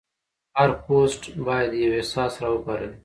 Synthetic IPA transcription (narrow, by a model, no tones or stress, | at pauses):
haɾposʈbɑjad̪jawehsɑːsɾɑəpaɾəl